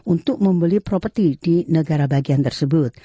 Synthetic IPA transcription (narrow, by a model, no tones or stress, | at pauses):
unt̪ʊk̚məmbəlipɾopərt̪idinəɡaɾabaɡiant̪ərsəbʊt̪̚